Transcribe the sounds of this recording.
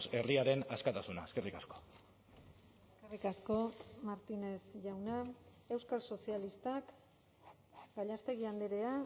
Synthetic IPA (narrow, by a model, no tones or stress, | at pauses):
se̞riaɾe̞naskat̪asuna̰eskerikasko̥ | eskerikasko̞maɾt̪ine̞sʝawna | e̞wskalso̞sialist̪ak | ɡ̥aʎast̪e̞ɣiand̪eɾe̞a